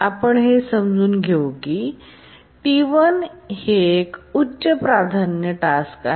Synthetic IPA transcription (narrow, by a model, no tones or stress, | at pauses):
apəɳɦesəmd͡zʱuːnɡʱewoki | t̪iʋənhekutːɕəpɾad̪ʱanjəʈaska